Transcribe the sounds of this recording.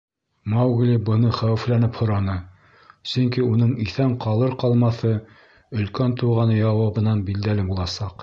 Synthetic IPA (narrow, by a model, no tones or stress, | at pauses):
mɑwɡlʲibɤ̆nɤχæwɘ̆flænɘphŏɾɑnɤ | sɵŋkiunɤɴiθæɴqɑlˠɤɾqɑlˠmɑθɤ | ɵ̆lkænt̪uʁɑnɤjɑwɑβɤ̆nɑnbild̪ælɘbulˠɑsɑq